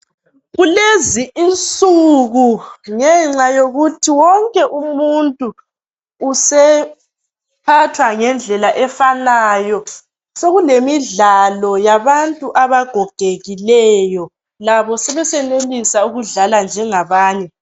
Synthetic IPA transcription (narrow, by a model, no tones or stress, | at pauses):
ɣuleziʔint͡sʼuɣuŋɛŋ͡ǀajoɣutʰiwɔŋkʼɛʔumuntʼuː | sɛ | pʰatʰwaŋɛnd͡ɮʱɛlaʔɛfanajɔ | soɣulemiɮalɔjaβantʼuʔaβaɡ̥ʱɔɡ̥ʱeɣilɛjɔ | laβɔsɛβɛsɛnelisauɣuɮaland͡ʒʱɛŋaβaːnɛ